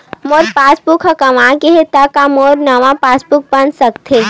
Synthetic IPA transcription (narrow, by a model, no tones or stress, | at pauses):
moːɾpaːsbʊkʰɐkɐʋãːkeɦet̪akamoːɾnɐʋãpaːsbʊk̚bɐnsɐkt̪ʰe